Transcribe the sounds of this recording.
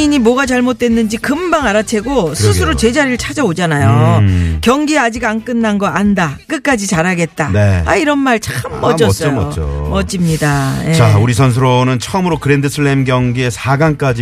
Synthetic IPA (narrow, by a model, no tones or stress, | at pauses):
iɲimwʌɡat͡ɕaɭmot̚t͈we̞nːɯnd͡ʑikɯmbaŋaɾat͡ɕʰe̞ɡosʰusʰɯɾot͡ɕe̞d͡ʑaɾiɾɯɭt͡ɕʰad͡ʑʌod͡ʑanajokjʌŋɡiad͡ʑiɡank͈ɯnːanɡʌʔandak͈ɯk͈ad͡ʑit͡ɕaɾaɡe̞tt̚t͈aneaiɾʌnmaɭt͡ɕamːʌd͡ʑʌs͈ʌjomʌd͡ʑimɲidaje̞auɾisʰʌns̬ʰɯɾonɯnt͡ɕʰʌɯmɯɾokɯɾendɯsʰɯɭːemɡjʌŋɡie̞sʰaɡank͈ad͡ʑi